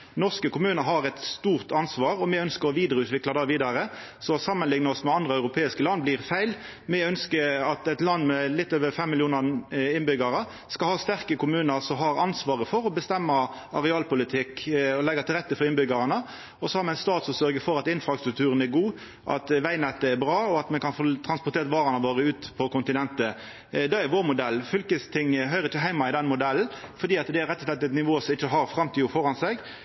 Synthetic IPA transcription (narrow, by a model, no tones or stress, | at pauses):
nɔʁskəkʰʊmʉːnəɾɦɑɾɛt̪st̪uːʁt̪ɑnsʋɑːɾɔmɛœnskəɾɔʋiːd̪əɾəʉːt̪ʋɪklɑd̪ɑːʋiːd̪ɑɾəsɔsɑmːənlɪŋnɑɔsmɛɑnd̪ʁəœʉɾʊpʰeːɪskəlɑnːbliːʁfæɪl | mɛœnskəɑt̪ɛɪt̪lɑnːmɛlɪt̪ːøːʋəfɛmːɪljuːnɑɪnbʏɡɑʁə | skɑlhɑːst̪æʁkəkʰʊmʉːnəsɔmɦɑɾɑnsʋɑːʁəfɔɾɔbəst̪ɛmːɑ | ɑʁɛɑːlpʊlɪt̪ʰɪkɔlɛɡːɑt̪ʰɪlɾʁɛt̪ːəfɔɾɪnbʏɡɑɾɑnə | ɔsɔhɑɾmɛæɪnst̪ɑːt̪sɔmsœɾɡəfɔɾɑt̪ɪnfɾɑst̪ɾʉkt̪ʰʉːɾənæɾɡuː | ʔɑ̰t̪ʋæɪnɛt̪ːəæɾbɾɑːɔɑt̪mɛnkɑnfot̪ʰɾɑnspʊɾt̪ʰeːɾʋɑːɾɑnəʋoːɾəʉːt̪pʰɔkʊnt̪ɪnɛnt̪ə | d̪ɑæɾʋoːɾmʊd̪ɛlːfʏlkəst̪ʰɪŋːəɦœʏɾəɾɪçːəɦæɪmɑɪd̪ɛnmʊd̪ɛln̩fɔd̪iːɑt̪d̪ɛæɾɛt̪ːɔʂlɛt̪ːɛt̪nɪʋoːsɔmɪçːəɦɑɾfɾɑmt̪ʰiːʊfɔɾɑnsɛɡ